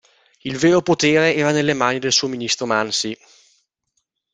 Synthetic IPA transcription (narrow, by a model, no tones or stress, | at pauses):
ilveːɾopot̪eːɾeɛːɾanelːemaːnid̪elsuːominist̪ɾomansi